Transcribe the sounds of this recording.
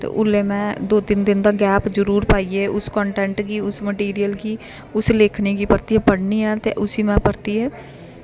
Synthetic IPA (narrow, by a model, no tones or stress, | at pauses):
t̪ḛːʔʊlːeːmɛ̃ːd̪oːt̪ɪnd̪ɪnd̪aːɡɛːpzəɾuːɾpaːieːʔʊskɔːɳʈɛ̃ːɳʈkiːʊsməʈiːɾijəlkiː | ʊsleːkʰneːkiːpəɾt̪iːɦɛːpəɽniːɦɛːt̪eːʔʊsiːmɛ̃ːpəɾt̪iːɦɛː